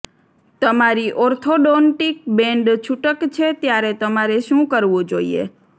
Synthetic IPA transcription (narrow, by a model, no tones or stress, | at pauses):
t̪əmaɾiʔɔɾt̪ʰoɖonʈik̚bɛ̃ɳɖt͡ʃʰuʈəkt͡ʃʰet̪jaɾet̪əmaɾeʃũkəɾʋũd͡ʒoiḛ